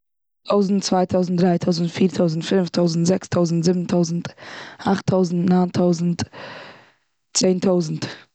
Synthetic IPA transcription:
tʰoʊzn̩t͡svaɪtʰoʊzn̩tdɾaɪtʰoʊzn̩tfiːɾtʰoʊzn̩tfɪnftʰoʊzn̩tzɛkstʰoʊzn̩tzɪbn̩tʰoʊzn̩taχtʰoʊzn̩tnaːntʰoʊzn̩t | t͡seɪntʰoʊzn̩t

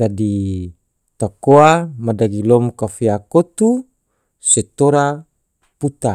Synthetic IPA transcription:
d͡ʒadi | t̪akoamadaɡilɔmkafeakot̪u | set̪oɾa | put̪a

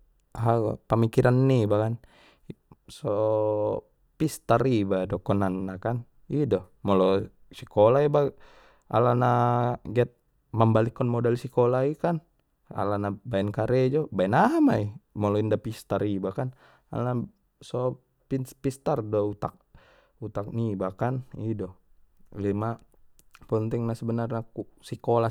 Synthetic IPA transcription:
aɦaɡa̰pəmikiɾanːibakan | sɔ | pist̪aɾibadɔkɔnanːakan | idɔmɔlɔ | sikɔlaiba | a̰lanaɡiat̪̚ | mambalikːɔnmɔdɛlsikɔlaikan | a̰lanabaɛnkaɾɛd͡ʒɔbaɛnaɦamaimɔlɔindapist̪aɾibakan | a̰lna | sɔ | pinspist̪ardɔut̪a̰k̚ | ut̪ak̚nibakanidɔlima | pənt̪iŋnasəbənarnakusikola

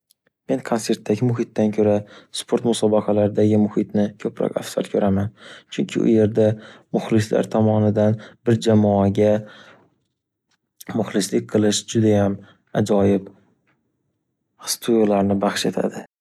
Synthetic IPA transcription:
me̞nkʰonse̞ɾt̪ːaɡʲɪmʊɦɪt̪ːankʲʰɵɾaspʰo̞ɾt̪mʊsɒbɑqʰɑlaɾɪd̪aɡʲɪmʊhɪt̪nɪkʰɵpʰɾɒ̰ka̰fsa̰lkʲʰɵɾʔamant͡ʃʰʊŋkʲʰɪ̰ʔʊ̰je̞ɾd̪amʊχlɪsla̰ɾt̪ʰɒmɒnɪd̪anbɪɾd͡ʒamɒaɡʲa | mʊχlɪslɪk̚ʲqʰɨlˠɪʃd͡ʒʊd̪ajam | ad͡ʒɒjɪb | st̪ʰujlaɾnɪbɑχʃe̞t̪ʰa̰d̪ɪ

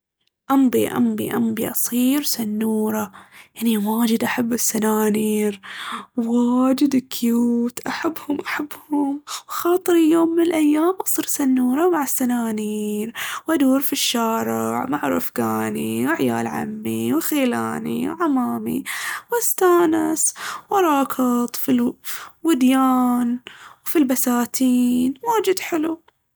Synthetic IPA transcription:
ʔambiʔa̰mbḭʔa̰mbiʔɑsˤiːɾsanːuːɾˤɑjaʕniwaːd͡ʒɪd̪ʔaħabːɪsːanaːniːɾwwad͡ʒɪd̪ɪkʰːɪjuːt̪ʔaħabːhʊmʔaħabːhʊmwxɑːt̪ˤɨɾijoːmːɪnɪlʔajːaːmʔɑsˤiːɾsanːuːɾˤɑwmaʕasːanaːniːɾwʔad̪uːɾfiʃːaːɾɪʕmaʕɾˤa̰fɡaːniwɪʕja̰ːlʕa̰mːiwxeːla̰ːnḭwʕamaːmḭwɪst̪aːnɪswʔɑɾˤɑːkɪt̪ˤfilwɪd̪jaːnwfilbasaːt̪ʰiːnwaːd͡ʒɪd̪ħɪlu

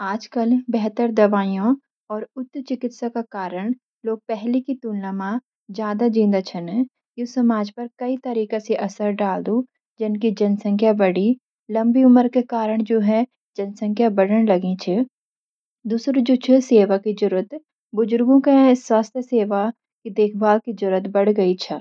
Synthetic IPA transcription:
aːd͡ʒkəlbɛɦt̪əɾd̪ɐʋaːijõ | ɔːɾʊt̪ːt͡ʃɪkɪt̪sakakaːɾəɽ̃ | loːɡ̚pɛɦlikit̪uːlnamã | zjaːd̪ad͡ʒĩːnd̪at͡ʃʰənɛ | josɐmaːd͡ʒpɐɾkɐit̪ɐɾiːkeseʔɐsəɾɖaːld̪ũ | d͡ʒɪnkid͡ʒɐnsə̃ŋkʰjabɐɽi | lɐ̃mbiʊməɾkekaːɾəɽ̃d͡ʒoːɦɛ | d͡ʒɐnsə̃ŋkʰjabɐɽəɽ̃lɐɡĩt͡ʃʰe | d̪uːsɾod͡ʒoːt͡ʃʰeseːʋakid͡ʒʊɾət̪ | bʊd͡ʒʊɾɡõkẽswaːst̪ʰjəseːʋa | kid̪eːkʰbaːlkid͡ʒʊɾət̪bɐɽ̤ɡɐit͡ʃʰɐ

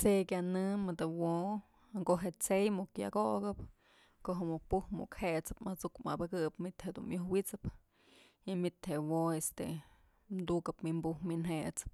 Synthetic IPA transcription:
t͡sekʲjanɨmɨd̪ɨwo | ŋkoʔɦeʔt͡sejmukja̰koʔɡɨp | koɦɨmupuhmṵʔkheʔt͡sɨ̥pmat͡sukma̰bɨkɨpmit̪hed̪ṵnmjuhwit͡sɨp | imit̪heʔwoest̪ḛ | md̪ukɨpmimbuhminɦet͡sɨ̥p̚

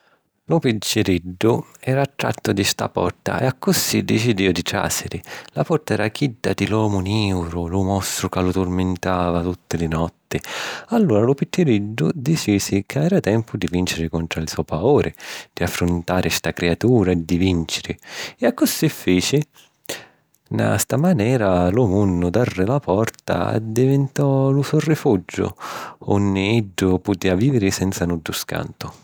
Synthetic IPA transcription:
lʊpit͡ʃːɪɾiɖːʊɛːɾaːt̪ːɾa̰t̪ːʊd̪ist̪a̰pɔ̰rt̪a̰ɛ̰akːʊsːid̪ɪt͡ʃid̪iːʊd̪it̪ɾa̰ːsɪɾɪlapɔrt̪aɛɾakid̪ːad̪ilɔːmʊniːwɾʊlʊmɔst̪ɾʊkalʊt̪ʊrmɪnt̪aːvat̪ut̪ːɪlɪnɔt̪ːɪalːuːɾalʊpit͡ʃːɪɾid̪ːʊd̪it͡ʃiːsɪkʰavɛːɾat̪ɛmpʰʊd̪ivint͡ʃɪɾɪkɔnt̪ɾalsɔpauːɾʔɪd̪̥iafːɾʊnt̪aːɾʔɪst̪akɾeat̪uːɾad̪ːivint͡ʃɪɾɪɪakːʊsːifːiːt͡ʃɪ | na̰st̪amanɛːɾalʊmunːʊd̪arːɪlapɔrt̪a̰d̪ivɪnt̪ɔlusɔrɪfud͡ʒːʊ̰onːɪiɖːʊpʊt̪eːaviːvɪɾɪsɛnt̪sanudːʊska̰nt̪ʊ

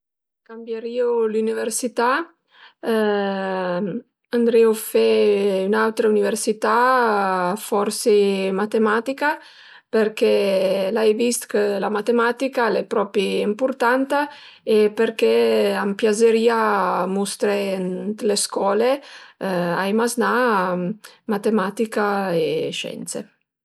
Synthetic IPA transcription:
kambjeɾiolyniveɾsit̪a | and̪ɾiofɛynawt̪ɾauniveɾsit̪a | fɔɾsemat̪emat̪ika | peɾkɛlajvist̪kəlamat̪emat̪ikalɛpɾɔpiimpuɾt̪ant̪a | epeɾkɛampjazeɾiːamust̪ɾeɛnt̪leskwɔːle | a̰jmazna | mat̪emat̪ikaeʃɛ̰nt̪sḛ

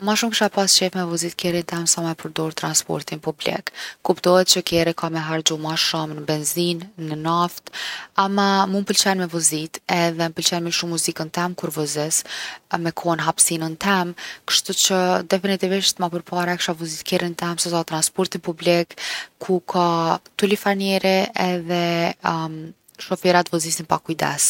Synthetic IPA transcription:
maʃumkə̥ʃapast͡ʃɛfmɛvuzit̪kɛɾint̪ɛmsamɛpəɾd̪ɔɾt̪ɾanspɔ̰ɾt̪inpublḭkːupt̪ɔhɛt̪̚t͡ɕəkɛɾikʰamɛɦaɾd͡ʑumaʃumnəbɛnzinːənaft̪amamunpəlt͡ɕɛnmɛvuzit̪ɛðɛməpəlt͡ɕɛnmiʃumːuzikənt̪ɛmkuɾvəzɛsmɛkʰɔnɦapsinənt̪ʰɛmkə̥ʃt̪ut͡ɕəd̪ɛfinit̪iviʃt̪mapəɾpaɾaɛkʃavuzit̪kɛɾint̪ɛmsɛsat̪ɾanspɔɾt̪inpublikʰːukʰat̪ulifanjɛɾiɛðɛ | ʃɔfɛɾat̪vuzisinpakujd̪ɛ̰s

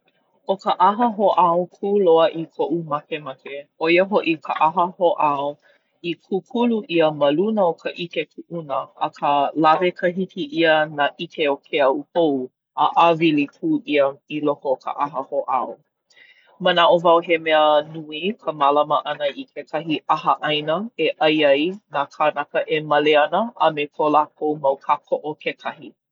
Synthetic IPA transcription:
ʔokəʔaɦəɦoʔawkʰuloəʔikʰoʔumakemakeʔojəɦoʔikʰəʔaɦəhoʔaw | ikʰukʰuluʔiəməlunəokʰəʔikekʰuʔunəʔːkʰəlavekʰəɦikʰiʔiənaʔikʰeokʰeɐukow | əʔavilikʰuːʔiəilohokʰə̰ʔaɦəhoʔa̰o | mənaʔovawɦemɛənuikʰəmalaməʔɐnəikʰekʰɐɦiʔaɦəʔajnəeʔɐjɐjnakʰanakəʔemɐleɐnəɐmekʰolakʰowmɐwkʰakʰoʔokʰekʰɐhi

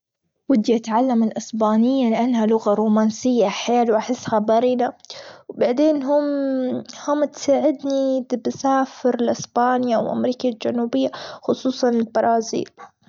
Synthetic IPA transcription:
wɪd̪jʔat̪ʕalːamɪlʔɪsbaːnɪjːalɪʔanːɦalʊɣaɾˤuːmaːnsɪjːaħjaːlwʔaħɪsːhabaɾid̪awbaʕd̪eːnɦʊm | hʊmːt̪saːʕɪd̪nit̪bsaːfɪɾlʔɪsbaːnjawʔa̰mɾiːkald͡ʒanuːbɪjːaxʊsˤuːsˤɑnɪlbɑɾˤɑːzḭːl

